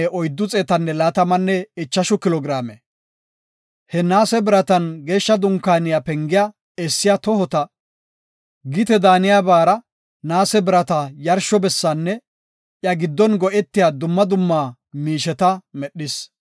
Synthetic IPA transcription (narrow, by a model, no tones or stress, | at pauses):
ʔɔjd̪ːʊt͡sʼeːt̪ɐnːɛlaːt̪ɐmɐnːɛɪt͡ʃːɐʃʊkɪlɔːɡɾaːmɛ̰ | hɛnaːsɛbɪɾɐt̪ɐnɡe̞ːʃːɐd̪ʊŋkːaːnɪjapɛŋɡɪja | ɛsːɪjat̪ɔhɔt̪ɐ | ɡɪt̪ɛd̪aːnɪjabaːɾɐ | naːsɛbɪɾɐt̪ɐjɐɾʃːɔbɛsːaːnːɛ | ʔjɐɡɪd̪ːɔnɡɔʔɛt̪ːɪjad̪ʊmːɐd̪ʊmːaː | miːʃɛt̪ɐmɛɗːɪs